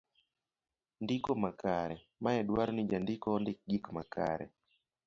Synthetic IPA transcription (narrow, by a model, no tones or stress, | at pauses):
ndikomakaɾɛ | maɛdwaɾɔnid͡ʒandikɔndɪk̚ɡikmakʰa̰ɾɛ̰